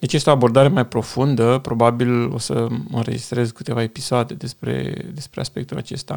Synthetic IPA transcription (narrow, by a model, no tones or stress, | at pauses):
d̪e̞t͡ʃjest̪eo̞abo̞rd̪aɾe̞majpɾo̞fund̪əpɾo̞babilo̞̰səɨ̰nɾe̞̰d͡ʒist̪ɾe̞zkɨt̪e̞vaepisoad̪e̞d̪e̞spɾe̞̰d̪e̞spɾe̞aspe̞k̚t̪ula̰t͡ʃe̞st̪a̰